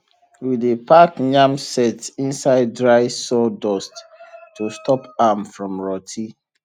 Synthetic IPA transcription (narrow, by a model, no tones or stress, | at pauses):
widepʰakɲãmsɛtĩnsaɪd̚ːɹaɪsɔdɔsttːustʰɔpamfɹɔ̃mɹɔtʰi